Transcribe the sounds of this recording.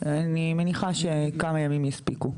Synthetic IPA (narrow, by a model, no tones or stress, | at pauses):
animeniχaʃekamajamimjɛspiku